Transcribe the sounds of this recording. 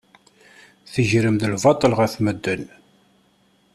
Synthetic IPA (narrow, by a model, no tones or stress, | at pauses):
θəʒɾəmd̪əlvɑt̪ˤːəlʁæθməd̪ːən